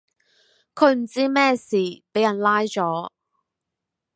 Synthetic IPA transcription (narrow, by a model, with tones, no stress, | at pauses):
kʰɵ˨˧ɥm̩˨˩t͡siː˥mɛː˥siː˨˩pe˨˥jɐ˨˩nlaː˥jt͡ʃɔː˨˥